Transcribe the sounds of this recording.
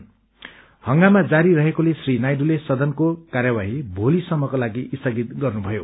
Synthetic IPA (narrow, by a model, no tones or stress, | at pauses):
hʌŋɡamad͡zaɾirʌɦekolesrinajɖulesʌd̪ʱʌnkokarjabaɦibʱolisʌmːʌkolaɡiist̪ʌɡit̪̚ɡʌrnubʱʌjo